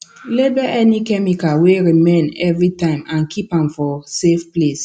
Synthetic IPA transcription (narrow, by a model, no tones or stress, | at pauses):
lebɛʔɛnikɛmikaweɹimẽnɛvɹitãɪ̃mãnkʰipãmfɔsefples